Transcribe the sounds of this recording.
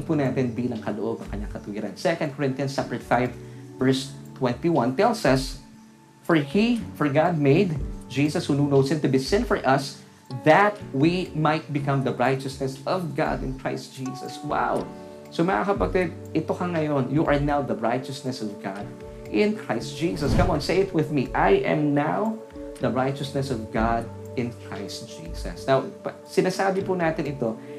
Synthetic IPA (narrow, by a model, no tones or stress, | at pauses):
punaːt̪ɛnbiːlɐŋkɐloʔobɐ̃ŋkɐɲːaŋkɐt̪ʊhiɾɐ̰nsɛkɐ̃nd̪koɹɪ̃nt̪jɐ̃nst͡ʃapəɹɛt̪fajvvɛɹst̪wɛ̃nt̪iwɐ̃nt̪ɛlsɐs | fɔɹhifɔɹɡad̪̚meɪd̪d͡ʒiːsɐshununowsɪ̃nt̪ʊbisɪ̃nfɔɹʔɐs | ðɐt̪̚wimajt̪̚bɪkɐ̃mðɐɹajt͡ʃɐsnɛsɔvɡa̰d̪ɪ̰̃nkɹ̥ajst̪̚d͡ʒ̥iːsɐ̰swa̰w | somɐŋa̰kɐpɐɡ̚t̪ɛd̪̚ʔɪt̪okɐŋɐjonjuʔɐɹnawðɐɹajt͡ʃɐsnɛsɔvɡɑd̪̚ | ʔɪ̃nkʰɹaɪst̪̚d͡ʒ̥iːsɐskɐmɔ̃nseɪfwɪðmiʔajʔɛ̰̃mnaw | ðɐɹajt͡ʃɐsnɛsɔvɡad̪̚ | ɪ̃nkʰɹa̰jst̚d͡ʒ̥ḭːsɐ̰snawp | sɪnasaːbɪpunaːt̪ɪnɪt̪o